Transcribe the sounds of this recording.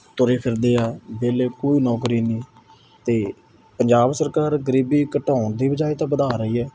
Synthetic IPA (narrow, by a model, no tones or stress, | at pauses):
t̪ʊɾeːpʰɪɾd̪eːɛːbeːleːkoːiːnɔːkɾiːnĩː | t̪eː | pəɲd͡ʒaːbsəɾkaːɾɡəɾiːbiːkəʈaːnd̪iːbəd͡ʒaːit̪ãːbəd̪aːɾəiːɛː